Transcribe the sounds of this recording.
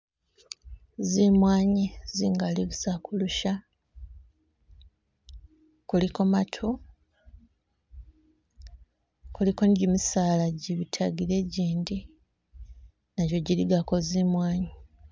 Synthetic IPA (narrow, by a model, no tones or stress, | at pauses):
zimwaːɲiziŋɡaliβusakuluʃa | kulikomatʰu | kulikonɟimisaːlaɟiβitʰaɡiɾe̞ɟiːndi | naɟo̞ɟiɾiɡakozimwaːɲi